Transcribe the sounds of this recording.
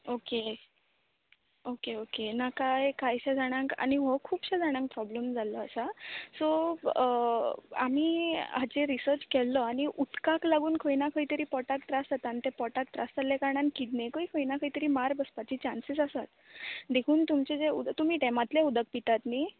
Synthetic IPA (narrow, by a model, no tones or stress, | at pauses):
oke | okeokenakajkajɕãd͡zʱaɽ̃ãŋka̰ñiʋɔkʰuːpɕad͡zʱaɽ̃ãŋk̚pɾɔbləmd͡zʱalɔasasɔ | a̰m̤iat͡ɕeɾisəɾt͡ɕkɛlːɔaɽ̃iʔut̪kaklaɡuːnkʰəjnakʰəit̪əɾiːpɔʈakʈ̪ɾast̪at̪ant̪epɔʈak̚ʈ̪ɾast̪alːekaɾɳankid̪nekəikʰəinakʰəit̪əɾiːmaɾbəspat͡ɕiːt͡ɕãnsisasat̪d̪ekʰuːnt̪umt͡ɕed͡zeṵd̪t̪um̤iːʈɛmat̪leud̪ək̚pit̪at̪ni